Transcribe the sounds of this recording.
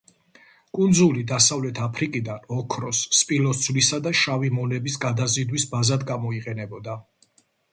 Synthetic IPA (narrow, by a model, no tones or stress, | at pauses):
kʼund̪zulid̪asavlɛt̪ʰapʰɾikʼid̪anɔkʰɾɔsːpʼilɔt̪sʰvlisad̪aʃavimɔnɛbisɡad̪azid̪wisbazad̪ɡamɔiqʼɛnɛbɔd̪a